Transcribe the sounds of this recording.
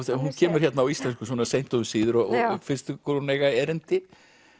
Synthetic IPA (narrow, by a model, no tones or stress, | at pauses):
huncʰɛːmʏɾ̥çɛt̪naːwist̪lɛnskʏsvɔnaɾsejnt̪ɔvʏmsiːðʏɾɔfɪnst̪ʏkʰɔɾneːjɣaɛɾɪnt̪ɪ